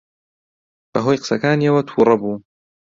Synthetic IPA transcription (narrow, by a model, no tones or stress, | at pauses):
b̥ɐɦoːjqɨ̥sɐkaːniɐwɐt̪ʰuːɾˤɑbuː